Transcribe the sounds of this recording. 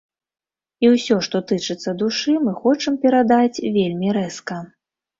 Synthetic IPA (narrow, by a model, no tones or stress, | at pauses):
iwsʲɔʂt̪ɔt̪ɨt͡ʂɨt̪sːɐd̪uʂɨmɨxɔt͡ʂɨmpʲɛɾad̪at͡sʲvʲelʲmʲiɾɛskɐ